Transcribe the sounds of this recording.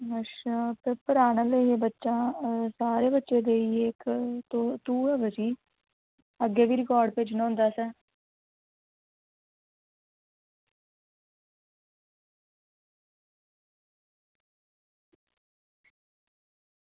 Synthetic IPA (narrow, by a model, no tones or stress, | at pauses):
əʃpɪɾpəɾaːnaːleeːbətːʃãːsaːɾeːbətːʃeːd̪eːiːekt̪ot̪uːɦɛːbəsiː | əɡːeːʋiːɾɪkɔːɾɖ̚peːt͡ʃñɦʊ̃nd̪aːsɛː